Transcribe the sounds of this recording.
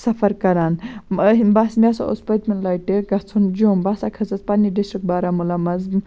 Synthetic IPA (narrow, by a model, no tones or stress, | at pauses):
sɐfɐɾkɐɾanəɦbasmʲasao̰spɐt̪mɐnlajʈeɡɐt͡sʰund͡ʒoːmbasakʰɐsɐt͡spanːiɖisʈɾik̚baːɾamulamɐz